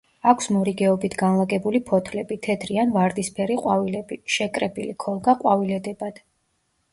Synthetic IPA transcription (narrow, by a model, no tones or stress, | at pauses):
akʷʰsmɔɾiɡɛɔbit̪ʰɡanlˠaɡʼɛbulipʰɔt̪ʰlɛbit̪ʰɛd̪ɾianvaɾd̪ispʰɛɾiqʼwavilɛbiʃɛkʼɾɛbilikʰɔlˠɡaqʼwavilɛd̪ɛbad̪̥